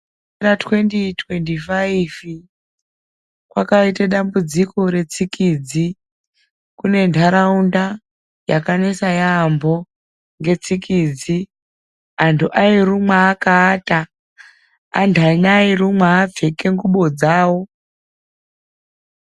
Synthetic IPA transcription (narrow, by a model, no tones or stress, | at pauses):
ɾatwe̞nditʰwentifaiv | kwakaiteɗambud͡ziko̞ɾe̞t͡sikiːd͡zi | kune̞ntʰaɾaunda | jakanesajambo̞ | ŋɡe̞t͡sikiːd͡zi | antʰuʔairumwaːkaːta | a̰ndʰʱanairumwaːb͡ve̞keŋɡuɓo̞d͡zaːwo̞